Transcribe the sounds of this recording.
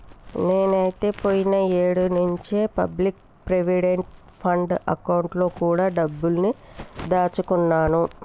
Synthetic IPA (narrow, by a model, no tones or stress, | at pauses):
ne̞ːnɐjit̪e̞ːpoːjinɐeːɽunuɲt͡ʃeːpɐ̰blik̚ | pɾeʋiɽeɳʈ | pʰɐɳɖɐ̰kɐwuɳʈlo̞ːkuːɽaːɖɐbːulnid̪aːt͡ʃukunːaːnu